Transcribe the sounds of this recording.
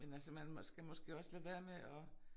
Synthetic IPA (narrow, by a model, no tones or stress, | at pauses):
menælsəmænsɡ̥æmɒ̽sɡ̥e̝̰ːɒ̽sleʋeːɐmeʔɒ̽